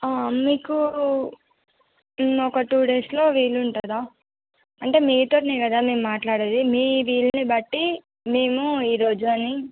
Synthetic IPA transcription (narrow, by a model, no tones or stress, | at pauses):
aːmiːku | ɔkɐʈuːɽeslo̞ːʋiːɭuɳʈɐd̪aː | ɐɳʈe̞ːmiːt̪o̞ːneːkɐd̪aːme̞ːmumaːʈlaːɽed̪imiːʋiːɭɐnibɐʈːi | me̞ːmuiːɾo̞ːd͡ʒuɐni